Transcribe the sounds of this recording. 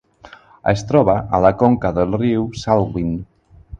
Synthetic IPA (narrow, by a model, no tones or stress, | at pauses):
ḛst̪ɾɔβaʔalakoŋkaðelˠriwsalɣwin